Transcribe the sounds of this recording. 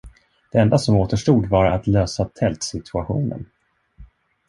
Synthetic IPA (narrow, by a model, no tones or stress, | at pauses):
d̪̥ɛɛnd̪asɔmoːt̪əʂʈuːd̪vaɾa̰t̪løːsat̪ʰɛlt̪sɪt̪ʰɵaɧṵːnə̰n